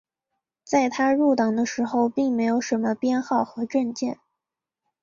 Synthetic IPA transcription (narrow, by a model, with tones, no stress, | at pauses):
t͡sa˥˩ɪt̪ʰa˥ɻu˥˩t̪ɑ˨˩ŋd̪ə˦ʂɻ̩˧˥xo˥˧ʊpi˥˩ŋme˧˥ɪjo˧˥ʊʂə˧˥nmə˧pjɛ˥˧nxɑ˥˩ʊxɤ˧˥ʈ͡ʂə˥˧nt͡ɕjɛ˥˩n